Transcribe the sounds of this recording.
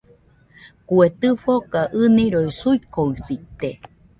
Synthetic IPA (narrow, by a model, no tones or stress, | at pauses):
kuet̪ɨfokaʔɨnĩɾoisuikoɨsit̪e